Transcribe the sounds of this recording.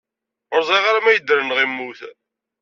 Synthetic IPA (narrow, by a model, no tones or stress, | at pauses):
ʊɾzˤiʁaɾamæjəd̪ːɾənəʁimːuθ